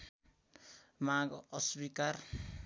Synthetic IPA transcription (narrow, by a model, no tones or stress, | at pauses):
maɡʌswikar